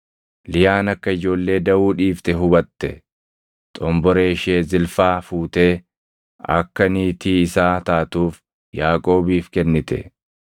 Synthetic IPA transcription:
lɪjaːnɐkːɐɪd͡ʒo̞ːlːe̞ːd̪ɐʔuːᶑiːft̪ɛɦʊbɐt̪ːɛ | t̪ʼɔmbɔɾeːʃeːzɪlfaːfuːt̪e̞ː | ɐ̰kːɐniːt̪iːɪsaːt̪aːt̪uːf | jaːkʼo̞ːbiːfkɛnːɪt̪ɛ̰

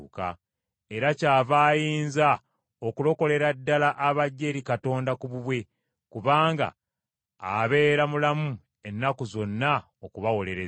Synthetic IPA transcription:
ka̰ | e̞ɾacaːvaːjiːnza | o̞kulo̞ko̞le̞ɾadːalaʔːβaɟːe̞ɾikato̞ːndakuβuβwe̞ | kuβaːŋɡa̰ | a̰βe̞ːɾamulamu | e̞nːakuzo̞nːa | okuβawo̞le̞ɾe

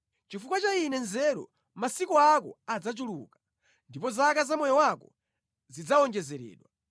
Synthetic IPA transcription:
t͡ʃifukwat͡ʃainɛnzɛɗɔ̰ | masikɔakɔ̰ad͡zat͡ʃulukḁ | ndipɔzakazamɔjɔwakɔ | zid͡zaɔŋd͡ʒɛzɛɾɛ̰ːɗwa

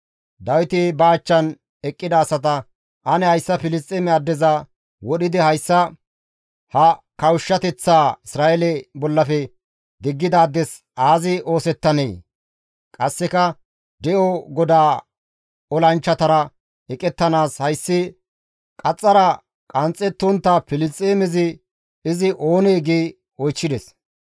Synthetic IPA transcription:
d̪ɐwɪt̪ɪbaːt͡ʃːɐn | ɛkʼːɪd̪ɐːsɐt̪ɐ | ʔɐnɛhɐjsːɐfɪlɪst̪ʼɪmɛɐd̪ːɛzɐ | wɔɗɪd̪ɪhɐjsːɐ | hɐkɐwʊʃːɐt̪ɛt͡sːaːɪsɾaːʔɛlɛbɔlːɐfɛ | d̪ɪɡːɪd̪aːd̪ːɛs | aːzɪo̞ːsɛt̪ːɐnḛː | kʼɐsːɛkɐ | d̪ɛʔɔɡɔd̪aː | ɔlɐnt͡ʃːɐt̪ɐɾɐ | ɛkʼɛt̪ːɐnaːshɐjsːɪ | kʼɐt͡sʼːɐɾɐ | kʼɐnt͡sʼːɛt̪ːʊnt̪ːapɪlɪt͡sʼːeːmɛzɪ | ɪzɪʔo̞ːneːɡeː | ɔjt͡ʃːɪd̪ɛs

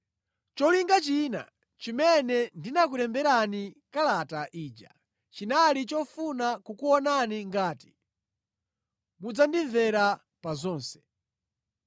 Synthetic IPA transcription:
t͡ʃɔliŋɡat͡ʃina̰ | t͡ʃimɛnɛndinak̬uɾɛmbɛɾanikalataʔiːd͡ʒa̰ | t͡ʃinalit͡ʃɔfunakukuwɔnaniŋɡaːti̥ | mud͡zandiɱvɛɾa | pazɔːnsɛ̥

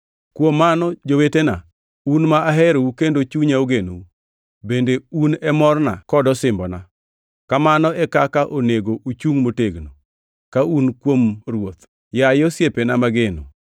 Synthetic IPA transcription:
kwomːanɔd͡ʒowetena | unmaaɦɛɾoukendot͡ʃuɲaoɡenou | bendeunɛmɔrna̰kɔdɔsɪmbɔna̰ | kamanɔɛkakaʔoneɡoʔut͡ʃuŋmoteɡno | kaunkwomrwot̪ | jajɔsjepenamaɡeno̰

